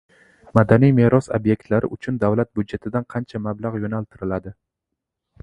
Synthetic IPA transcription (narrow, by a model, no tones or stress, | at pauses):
mad̪anijme̞ɾɒsobje̞k̚ʲt̪laɾɪ̰ʔʊt͡ʃʰʊnd̪avlat̪̚bʊd̪d͡ʒet̪ʰɪd̪anqʰɑnt͡ʃʰamablˠaʁjonalt̪ʰɪɾɪlad̪ɪ